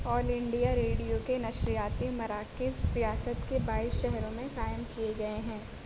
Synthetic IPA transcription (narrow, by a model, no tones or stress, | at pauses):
ɔːlɪ̃ɳɖijaɾeːɽijokenɐʃɾijaːt̪imɐɾaːkɪzɾijaːsət̪kebaːɪsʃɛɦɾõmẽqaːɪəmkijeɡɐeɦɛ̃ː